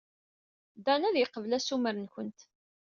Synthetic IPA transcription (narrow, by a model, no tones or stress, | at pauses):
d̪ænæðjəqːəvlæsuməɾənçʷənt̪